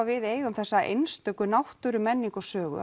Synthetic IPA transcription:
vɪðeːjɣʏmθɛsːaʔḛjnst̪œkʏnawht̪ʏɾʏmɛnːiŋkɔsœːɣʏ̰

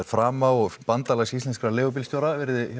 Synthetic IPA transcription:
ɾfɾaːmaɔɣpant̪alasist̪ɛnskɾaleːɣʏp̬ilst̪jowɾavɛɾðɪ

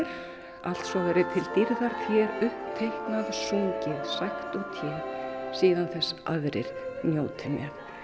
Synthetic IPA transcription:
ɾ̥ | al̥t̪sɔɣɛɾɪt̪ʰɪlt̪iɾðaɾ̥t̪ʰjɛːɾʏhpt̪ʰejhknaðsuɲcɪðsajxt̪ut̪ʰjɛːɾsiːðanθɛsːa̰ðɾɪ̰ɾ̥njoːwt̪ʰɪnjɛm

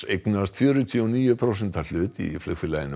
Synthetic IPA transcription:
ejknast̪fjœːɾʏt̪ʰiɔniːjʏpʰɾows̬ɛnt̪al̥ʏːt̪ḭflʏkfɪlajɪn

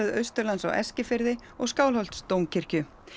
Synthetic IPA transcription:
ðœɥst̪ʏɾlansa̰wʔɛ̰scɪfɪɾðɪ | ɔɣskaːwlhɔl̥t̪st̪ownŋcʰɪr̥cʏ

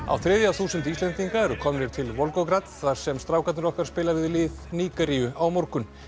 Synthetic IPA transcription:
a̰wθɾɛːðjawθuːsʏnt̪ist̪lɛnt̪iŋkaɛɾʏkʰɔmnɪɾ̥t̪ʰɪlvɔlkɔwkɾat̪θvaɾ̥sɛmst̪ɾaːwkat̪nʏɾɔhkaɾ̥spɪːlavɪðlɪːðniːkaɾiʏawmoɾkʏn

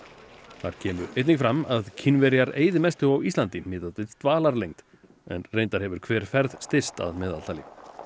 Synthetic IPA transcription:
θa̰ɾ̥cʰɛːmʏʔejt̪niŋkfɾamaðcʰɪnvɛɾjaɾeːjðɪmɛst̪ʏawist̪lant̪ɪmɪːðat̪ɪst̪vaːlaɾlejŋt̪ | ɛ̰nrejnt̪aɾ̥hɛvʏɾ̥kʰvɛːɾ̥fɛɾðst̪ɪ̥st̪a̰ðmɛɪːða̰l̥t̪alɪ̰

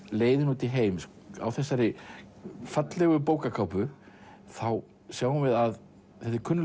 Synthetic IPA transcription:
leːjðɪnuːt̪ɪɦeːjms | a̰wθɛsːaɾɪ | fat̪lɛɣʏpoːwkakʰawpʏ | θaw | sjaːwʏmvɪðað | θɛt̪ɪɾkʰʏnːʏ

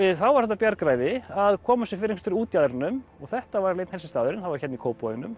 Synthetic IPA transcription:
θawvaɾ̥θɛht̪apjaɾkɾajðɪaðkʰɔːmasɪfɪɾɪkʰst̪ʏɾuːt̪jaðɛɾnʏmɔɣθɛht̪avaɾleːjt̪nhɛlsɪst̪aːðʏɾɪnθawvaɾçɛt̪nikʰoːwpɔɪnʏm

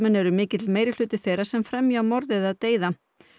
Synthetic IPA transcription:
mɛnɛɾʏmɪːcɪt̪ɪlmeːjɾɪl̥ʏːt̪ɪθejrɾḁsɛmfɾɛmjamɔɾðɪðaðt̪eːjða

